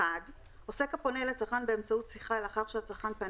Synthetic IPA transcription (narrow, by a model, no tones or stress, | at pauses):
ad | o̞se̞kapo̞neleat͡saχanbeemt͡sautsiχalaχaʁʃeat͡saχanpa